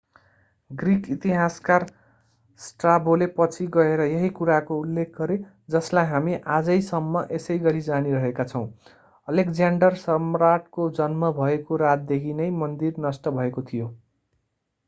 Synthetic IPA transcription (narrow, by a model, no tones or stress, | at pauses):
ɡrikit̪iɦaskar | sʈrabolepʌt͡sʰiɡʌeɾʌjʌɦikuɾakoulːek̚ʰɡʌɾe | d͡zʌslajɦamiʔad͡zʌjsʌmːʌʔesʌjɡʌɾid͡zaniɾʌɦekat͡sʰʌw̃ | ʌlekd͡zaɳɖʌrsʌmraʈ̚kod͡zʌnmʌbʱʌekoɾat̪̚d̪ekʰinʌjmʌnd̪irnʌsʈʌbʱʌekot̪ʰijo